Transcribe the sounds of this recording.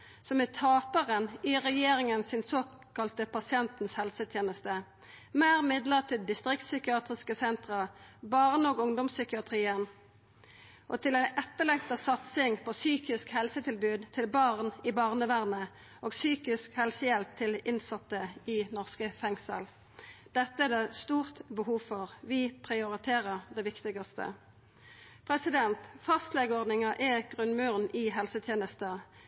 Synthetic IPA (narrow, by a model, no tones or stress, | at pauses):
sɔmɛt̪ʰɑːpəʁəniʁɛjeːʁɪŋənsɪnsoː | kɑlt̪əpʰɑsɪɛnt̪n̩shɛlsət̪ʰjeːnəst̪ə | mæːʁmɪd̪ləʁt̪ʰɪld̪ɪst̪ʁɪkt̪sʏkɪɑːt̪ʁɪskəsɛnt̪ʁɑbɑːʁənəoːɡʊŋd̪ɔmsʏkɪɑt̪ʰʁiːən | ʔot̪ʰɪlæɪnʔɛt̪ːəlɛɡ̚t̪ɑsɑt̪sɪŋpʰoːsyːkɪskhɛlsət̪ʰɪlbʉːd̪t̪ʰɪlbɑːʁnɪbɑːʁnəʋæʁnə | ʔoːɡsyːkɪskhɛlsəjɛlp̚t̪ʰɪlɪnsɑt̪ːəɪnɔʁskəfɛŋsə̰l | d̪̥ɛt̪ːəɛd̪eːst̪uːʁt̪bəhuːʋfɔʁʋɪpʰʁɪʊʁɪt̪ʰeːʁəʁd̪ɛʋɪkt̪ɪɡɑst̪ə̰ | pʰʁɛsɪd̪ɛnt̪fɑst̪lɛɡəɔʁd̪nɪŋɑʔɛɡ̥ʁʉnmʉːʁnɪɦɛlsət̪ʰjeːnəst̪ə